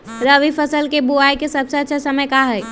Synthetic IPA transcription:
ɾəʋifəsəlkebuaikesɐbsɐt͡ʃʰəsəməjkaɦəj

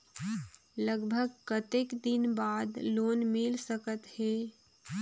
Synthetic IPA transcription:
ləɡbʱəɡkət̪ekd̪ɪnbaːd̪loːnmɪlsəkət̪heː

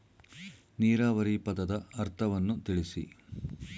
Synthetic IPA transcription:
niːɾaːʋɐɾipɐd̪ɐd̪ɐɐɾt̪ʰɐʋɐnːut̪iɭisḭ

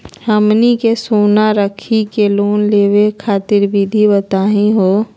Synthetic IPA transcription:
həmnikesoːnaɾəkʰikeloːnleːwekʰaːt̪ɪɾbʱid̪ʱibət̪aːɦĩɦoː

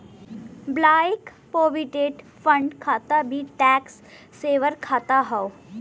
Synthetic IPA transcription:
blajk | poʋiʈeːʈ | fəɳɖkʰat̪abʱiʈɛksː | eʋəɾkʰat̪aɦaw

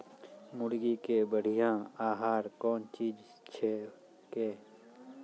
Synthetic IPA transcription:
mʊɽɡikebəɽ̤ijãaːɦaːɾkɔːnt͡ʃiːd͡ʒ | t͡ʃʰe | keː

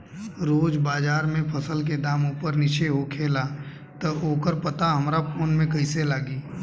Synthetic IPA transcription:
ɾoːd͡ʒbaːd͡ʒaːɾmẽpʰəsəlk̬ed̪aːmuːpəɾnɪt͡ʃʰeɦokʰeːla | t̪əoːkəɾpət̪aɦɐmɾapʰoːnmẽkəɪselaːɡiː

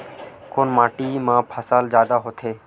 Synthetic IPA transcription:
koːnmaːʈiːmãːpʰəsaːld͡ʒjaːd̪aɦot̪ʰeː

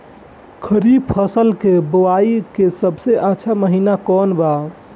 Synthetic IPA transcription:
kʰəɾibpʰəsəlkeboaikesəbseʔətːʃʰaməɦinakɔnba

